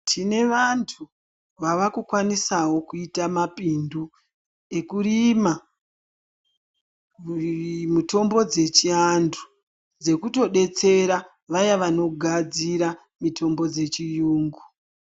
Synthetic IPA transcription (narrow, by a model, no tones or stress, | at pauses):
tʰine̞ʋantʰu | ʋaʋakukwanisawo̞kuitamapindu | e̞kuɾima | muto̞mbo̞d͡ze̞t͡ʃiandʰu | d͡ze̞kuto̞ɗe̞t͡se̞ɾa | ʋajaʋano̞ɡʱad͡ziɾa | mitʰo̞mbo̞d͡ze̞t͡ʃijuːŋɡu